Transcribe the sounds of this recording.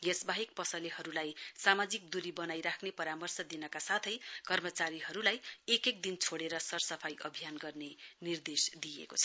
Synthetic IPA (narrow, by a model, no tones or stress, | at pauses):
ɡesbaɦik̚pʌsʌlihʌɾulajsamad͡zik̚d̪uɾibʌnajɾakʰnepʌɾamʌrsʌd̪inʌkasat̪ʰʌjkʌrmʌt͡saɾiɦʌɾulajekek̚d̪int͡sʰoɽeɾʌsʌrsʌpʰajʔʌbʱijanɡʌrnenird̪esd̪ijḛkot͡sʰʌ̥